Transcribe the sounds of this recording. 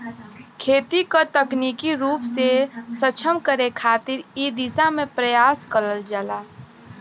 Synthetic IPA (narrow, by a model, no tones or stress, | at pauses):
kʰeːt̪ikot̪əknikiɾuːpsesət͡ʃʰəmkəɾekʰaːt̪ɪɾid̪isamẽpɾəjaːskəɾəld͡ʒəːlaː